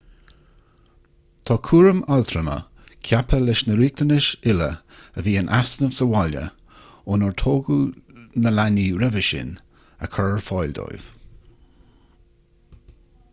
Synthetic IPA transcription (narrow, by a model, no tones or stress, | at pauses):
t̪ʰɔːkʰuːɹəmalt̪ʰɾəmə̰ | kʰjapʰəlɪʃnəɾiːk̚t̪ənɪʃɪlə̰ | əviːənʔasnəvsəwalə̰ | ʊnəɹt̪ʰoːɡunəlaniɾɛvəʃɪ̰n | ə̰kʰɔɹɹfɔjld̪ɔ̰jv̥